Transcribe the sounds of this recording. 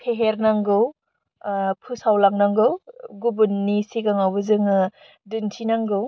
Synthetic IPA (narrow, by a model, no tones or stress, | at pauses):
pʰeɦeɾnaŋɡɯw | pʰusawlaŋnaŋɡɯwɡubunːisiɡaŋawbɯzɯŋ | dɯntʰinaŋɡɯw